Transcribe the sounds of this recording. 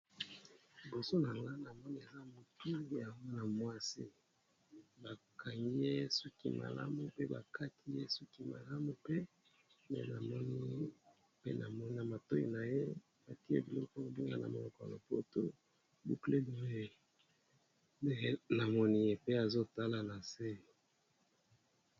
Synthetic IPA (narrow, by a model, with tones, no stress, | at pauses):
bo˨so˦na˨ŋa˦na˨mɔ˦ni˦e˨za˦mo˨ti˦˨ja˨ŋɡɔ˦na˨mwa˦si˦ | ba˨ka˨ŋɡi˦je˦su˦kḭ˦mʔa̰˨la̰˦mu˨pe˦ba̰˨ka˦tʰi˦je˦su˦ki˦ma̰˨la˦mu˨pe˦ | mḛ˨na˨mɔ˦ni˦ | pḛ˦na˨mɔ˦ni˦na˨ma˨to˦ḭ˨na˨je˦ | ba˨ti˦e˦bi˨lɔ˦kɔ˦o˨bi˦ŋɡa̰˨na̰˨mo˨lɔ˨kɔ˨ja̰˨lo˨po˦˨to˦ | bu˦kle˦bi˨˦e˦ | de˦e˦na˨mɔ˦ni˦je˨pe˦a˨zo˦ta˦la˨na˨se˦